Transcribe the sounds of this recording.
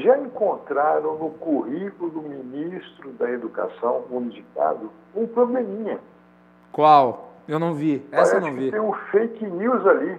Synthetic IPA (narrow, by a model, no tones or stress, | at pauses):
ʒaẽŋkõnt̪ɾaɾɐ̃w̃nʊkuhiklʊʊd̪ʊminist̪ɾʊd̪ɐed̪uka̰sɐ̃w̃ũnid͡ʒika̰d̪ʊ | ũpɾoblemĩɲɐ | kwawewnɐ̃w̃viɛsenɐ̃w̃vit̪ẽj̃ʊ̃fejkniwzali